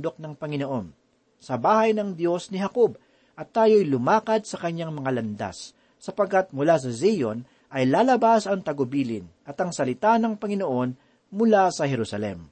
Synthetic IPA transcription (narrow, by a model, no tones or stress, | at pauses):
d̪o̞k̚nɐŋpɐŋɪnoʔo̞n | sɐbaːhɐjnɐŋd̪jo̞snɪhɐkob̚ | ʔɐt̪ːaːjo̞jlʊmaːkɐd̪̚sɐkɐɲːaŋmɐŋalɐnd̪a̰sː | ɐpɐɡ̚kːat̪̚mʊlas̬ɐzijon | ʔɐjlaːlɐbasɐŋt̪ɐɡʊbiːlɪ̰nʔɐt̪ɐŋsɐlɪt̪anɐŋpɐŋɪnoʔo̞n | mʊlasɐhɛɾusɐlɛ̰m